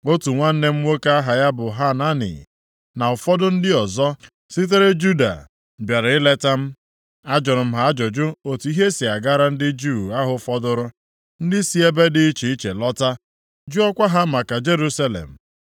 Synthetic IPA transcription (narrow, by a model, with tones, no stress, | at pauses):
o˦tu˨ŋʷa˦n̩˦ne˦m̩˦ŋʷwo˦ka˦a˦ɦa˨ja˦bʊ˨ɦa˦na˦nḭ˨ | na˨ʊ˨fɔ˦dʊ˦n̩˦dɪ˦ɔ˨zɔ˦ | si˦t̬e˦ɾe˦d͡ʒu˦da̰˨ | bja˨ɾa˨ɪ˦le˦ta˦m̩˦ | a˦d͡ʒɔ˨ɾʊ˨m̩˦ɦa˦a˦d͡ʒɔ˨d͡ʒʊ˦o˨tu˨˦i˦ɦe˦si˨a˨ɡa˦ɾa˦n̩˦dɪ˦d͡ʒu˦˨a˦ɦʊ˨fɔ˦dʊ˦ɾʊ˦ | n̩˦dɪ˦si˦e˦be˦dɪ˨i˦t͡ʃi˨i˦t͡ʃe˨lɔ˦ta˦ | d͡ʒu˦ɔ˦kʷa˦ɦa˦ma˨ka˨d͡ʒe˦ɾu˦sa˦lḛ˨m̩˨